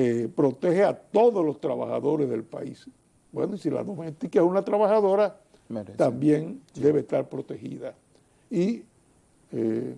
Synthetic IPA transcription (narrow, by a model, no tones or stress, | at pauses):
epɾo̞t̪e̞heat̪o̞ðoslo̞st̪ɾaβa̰xa̰ðo̞ɾezðe̞lpa̰ḭs | bwḛnoisila̰ðo̞mest̪ikaesunat̪ɾaβaxaðo̞ɾa | t̪ambje̞ŋd̪e̞βest̪aɾpɾo̞t̪e̞xḭða | i | e